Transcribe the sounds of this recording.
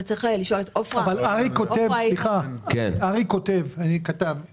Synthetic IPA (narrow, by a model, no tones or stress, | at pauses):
t͡sʁiχeliʃolet̪ofavalaʁiko̞tevsliχakḛnaʁiko̞tevanikat̪av